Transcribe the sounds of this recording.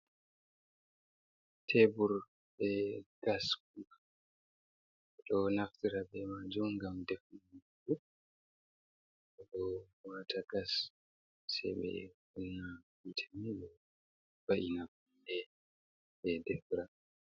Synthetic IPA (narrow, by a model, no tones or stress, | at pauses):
tʰebuɾ | bɛɡ̥ask̚u | ɗɔnaktiɾabɛmad͡ʒumɡamdɛfnam | u | ɛɗɔwatʰaɡas | sɛ̰jɓɛ̰wunːawitʰamiɗɛ | baʔinakundɛ | ɓɛdɛfɾa